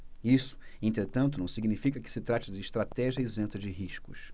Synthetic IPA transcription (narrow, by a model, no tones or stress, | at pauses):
isʊ̥ẽnt̪ɾet̪ɐ̃nt̪̬ʊnɐ̃w̃siɡnifikɐkɪ̥sɪt̪ɾat͡ʃɪd͡ʒɪːʃt̪ɾat̪ɛʒiɐɪzẽnt̪ɐd͡ʒɪɦiʃkʊʃ